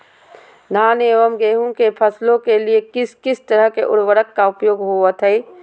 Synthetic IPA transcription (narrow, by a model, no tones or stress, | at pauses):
naːneːʋəmɡeːɦũkepʰəslõkeliekɪskɪst̪əɾəɦkeʔʊ̰ɽʋəɽəkːaʊpjoːɡɦuət̪ɦɛː